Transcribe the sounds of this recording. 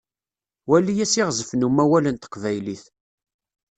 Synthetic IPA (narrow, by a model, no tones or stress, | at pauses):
wælːijæsiʁzəfnumːæwælənt̪ə̥qːvæjliθ